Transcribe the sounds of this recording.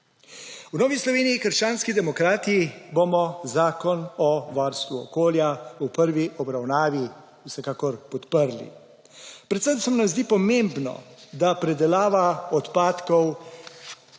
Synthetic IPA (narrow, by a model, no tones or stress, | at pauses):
wnɔːʋislɔʋeːnijikəɾʃt͡ʃaːnskid̪ɛmɔkɾaːt̪ijibomɔzaːkɔnɔʋaɾst̪ʋuɔ̰koːljaupəɾʋiʔɔbɾawnaːʋi | wsɛkaːkɔɾpɔt̪pəɾlḭ | pɾɛt̪səmsɛmunamzd̪iːpɔmembnɔ̰d̪apɾɛd̪ɛlaːʋaɔt̪paːt̪kɔw